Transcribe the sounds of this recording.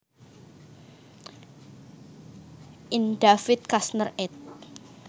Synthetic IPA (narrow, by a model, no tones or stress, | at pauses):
ʔinɖafɪt̪̚kasnərɛt̪̚